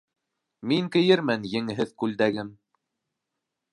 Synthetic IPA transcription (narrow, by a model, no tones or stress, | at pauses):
miŋkɘ̆jɘɾmænjɘ̆ŋɘɦɘðkʉld̪æɡɘm